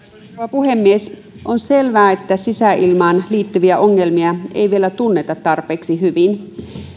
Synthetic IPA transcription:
uʋɑpuhemːies | ʔonse̞lʋæːet̪ːæsisæʔilmɑːnliːt̪ːyʋiæʔoŋːe̞lmiɑḛjʋielæt̪unːet̪ɑt̪ːɑrpeːksiɦyʋin

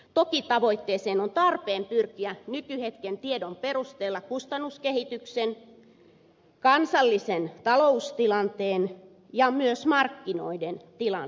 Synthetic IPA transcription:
t̪okit̪ɑʋoit̪ːeːseːnont̪ɑrpeːmpyrkiænykyhet̪kent̪iedomperust̪eːlːɑkust̪ɑnːuskehit̪yksen | kɑnsɑlːisent̪ɑloust̪ilɑnt̪eːn | jɑmyøsmɑrkːino̰ident̪ilɑ

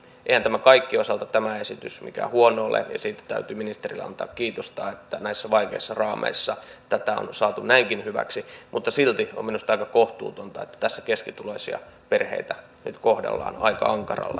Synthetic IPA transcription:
eihænt̪æmækɑikːiosɑlt̪ɑt̪æmæesit̪ysmḭkæ̰ːhuonoːlḛnɑsiːt̪æ̥t̪æ̰yt̪yːminist̪erilːeɑ̰nt̪ɑːkkiːt̪ost̪ɑːet̪ːænæisːæʋɑikeisːɑrɑːmḛisːɑt̪æt̪æo̰nsɑːt̪unnæiŋkinhyʋæ̰ksimut̪ːɑsilt̪io̰mminust̪ɑikɑkoht̪ṵːt̪ont̪ɑet̪ːæ̥t̪æsːæ̥keskit̪uloisiɑ̰ | perhḛit̪æ | nyt̪kohdḛlːɑ̰ːnɑ̰ikɑ̰ɑŋkɑrɑ̰lːe

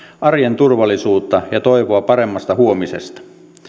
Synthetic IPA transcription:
ʔɑrjent̪urʋɑlːisuːt̪ːɑjɑt̪o̞iʋoɑpɑɾe̞mːɑst̪ɑhuo̞misḛst̪ɑ̥

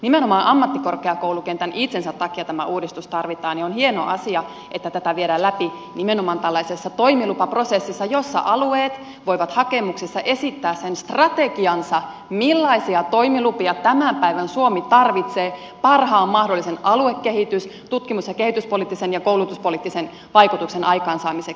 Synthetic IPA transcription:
nimenomɑːnʔɑmːɑt̪ːikorkeɑkoulukent̪ænʔit̪sensæt̪tɑkiɑt̪æmæuːdist̪ust̪ɑrʋit̪ɑːnionhieno̰ʔɑsiɑ | ʔet̪ːæt̪æt̪æʋieɾæːlæpi | nimenomɑːnt̪ælːɑisesːɑt̪oimilupɑprosesːisːɑjosːɑ̰ʔɑlueːt̪ | ʋoiʋɑt̪hɑkemuksisːɑʔe̞sit̪ːæːssenst̪rɑt̪eɡiɑnsɑ | milːɑisiɑt̪oimilupiɑt̪æmæmpæiʋænsuomit̪ɑrʋit̪seː | pɑrhɑːmːɑhdolːisenɑluekːehit̪yst̪ut̪kimusjɑkehit̪yspolit̪ːisenjɑkoulut̪uspolit̪ːisen | ʋɑikut̪uksenʔɑjkɑːnsɑːmisek

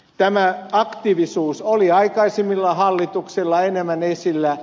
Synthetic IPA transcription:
t̪æmæɑkt̪iʋisuːsoliɑikɑisemːilːɑhɑlːit̪uksilːɑenemːænesilːæ

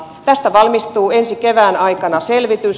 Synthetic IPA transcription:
t̪æst̪æʋɑlmist̪uːensikeʋæːnɑikɑnɑselʋit̪ys

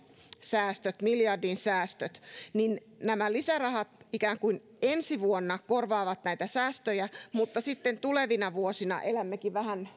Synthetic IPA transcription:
sæːst̪øt̪miljɑrdinsæːst̪øt̪nin | næmælisærɑhɑt̪̚ikæːŋkuin | ensiʋuonːɑkorʋɑːʋɑt̪næijt̪æsæːst̪øjæmut̪ːɑsit̪ːent̪uleʋinɑʋuosinɑ̰ʔelæmːekiʋʋæhæn

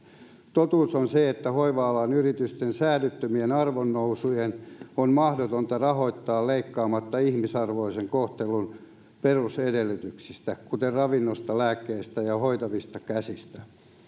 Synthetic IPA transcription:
t̪ot̪uːsonseet̪ːæhoiʋɑːlɑnyrit̪yst̪ensæːlyt̪ːømienɑrʋonːousujenonmɑhdot̪ont̪ɑrɑɦo̞it̪ːɑːlleikːɑːmɑt̪ːɑihmisɑrʋoiseŋkoht̪elun | perusedelːyt̪yksist̪ækut̪errɑʋinːost̪ɑlæːkːeːst̪æjɑhoit̪ɑʋist̪ɑkæsist̪æ̥

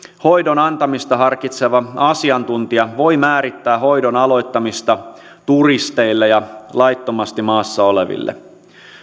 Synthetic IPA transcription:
ho̞jdonɑnt̪ɑmist̪ɑɦɑrkit̪seʋɑɑsiɑnt̪unt̪iɑʋo̞jmæːɾit̪ːæːɦo̞jdonɑlo̞jt̪ːɑmist̪ɑ | t̪urist̪e̞ilːejɑlɑjt̪ːomɑst̪imɑːsːɑo̞leʋḭlːḛ

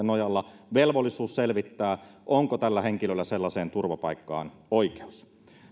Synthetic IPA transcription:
enojɑlːɑʋelʋolːisuːsselʋit̪ːæːʔoŋkot̪ælːæheŋkilølːæselːɑseːnt̪urʋɑpɑikːɑ̰ːn | oike̥u̥s

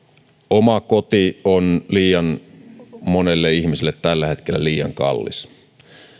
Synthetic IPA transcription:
omɑko̞t̪ionliːjɑn | mo̞nelːeiçmisilːet̪ːælːæhe̞t̪k̟elːæliːjɑ̰ŋkɑ̰lːḭs

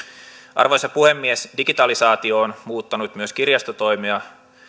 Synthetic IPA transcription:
ʔɑ̰rʋojsɑpuhe̞mːiesdiɡit̪ɑlisɑːt̪io̞ːnmuːt̪ːɑnut̪myøskirjɑst̪ot̪o̞jmiɑ

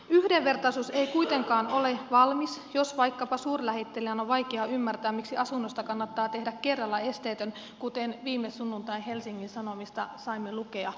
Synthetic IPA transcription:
yhde̞ʋʋe̞rt̪ɑsuseijkujt̪e̞ŋkɑːno̞le̞ʋɑlmisjo̞sʋɑjkːɑpɑsuːrlæhet̪ːe̞lijænoʋʋɑjkeɑymːært̪æːmiksiɑsunːost̪ɑkɑnːɑt̪ːɑːt̪e̞hdække̞rːɑlːæe̞st̪eːt̪øn | kut̪enʋiːmːesːunːunt̪ɑinɦe̞lsiŋːinsɑno̞mist̪ɑsɑimːeluke̞ɑ

